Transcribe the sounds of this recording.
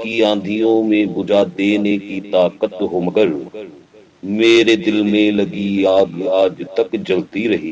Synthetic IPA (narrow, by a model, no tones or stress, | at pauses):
kiãːnd̪ʱijõmẽbʊd͡ʒaːd̪eːnekit̪aːkət̪ɦoːməɡəɾ | meːɾed̪ɪlmẽlɐɡiaːɡaːd͡ʒt̪ɐkd͡ʒɐlt̪iɾɐɦiː